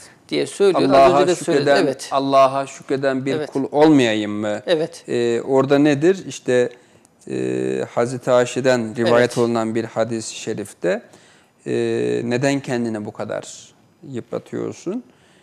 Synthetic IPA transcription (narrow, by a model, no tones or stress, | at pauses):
d̪̥ijɛsøjlʲailˠːaɦaʃued̪æɛt̪alˠːaːɦaʃu̥cɾed̪ænbiɾkʰulˠo̞lˠmajajɯmːɯɛvɛt̪ːʔo̞ɾd̪aned̪iɾiʃt̪ʰɛ̰ | hazɾet̪ʰiaːʃid̪ænɾivaːjɛt̪ʰo̞lˠunanbiɾhad̪isʃeɾifd̪̥ɛ | ne̞d̪æncʰɛnd̪inɛbukʰad̪a̰ɾ̥ | jɯpla̰t̪ʰɯjo̞̰ɾsun